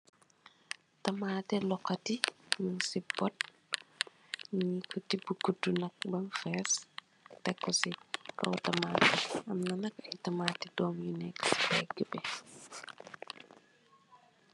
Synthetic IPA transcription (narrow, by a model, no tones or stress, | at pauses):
tɐmaːtɛlɔkːɐtimiŋsibɔt̚ | ɲikʰɔtibukutːunɐk̚bɐnfɛːs | tɛkːɔsikɔ̰wtɐmaːtɛɐmnɐnɐkɐtɐmaːtidɔːmjunɛksi̥fɛ̰ɡəbɛ